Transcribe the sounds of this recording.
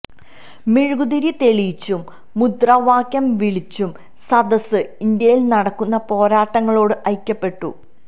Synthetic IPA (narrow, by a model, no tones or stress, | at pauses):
miɻɡud̪iɾit̪e̞ɭijt͡ɕːumː | ud̪rɐʋaːkjɐmʋiɭit͡ɕːum | sɐd̪ɐsɨind̪jɐjilnɐɽɐkːunːɐpo̞ːɾaːʈːɐŋːɐɭo̞ːɽɨʔɐjkʲːɐpːe̞ʈːṵ